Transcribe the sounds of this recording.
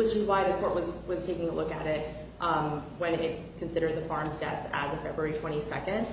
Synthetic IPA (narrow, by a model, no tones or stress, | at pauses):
wɪt͡ʃɨzwaɪðɨkʰɔɹʔ̚wʌzwʌz̥tʰeɪkɪ̃ŋəlʊkɨ̰ɾɪt̚ | ʔwɨ̃nɪt̚ | kʰn̩sɪɾə˞d̪̚ðɨfɑɹmzdɛtɨ̰zɨ̃fɛbɹuɛɹitʰw̥ɛ̃ɾ̃isɛ̰kɨ̃nd̥